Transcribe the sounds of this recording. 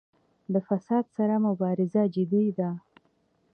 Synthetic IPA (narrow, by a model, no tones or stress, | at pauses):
d̪əfasɑd̪saɾamʊbɑɾɪzad͡ʒɪd̪id̪a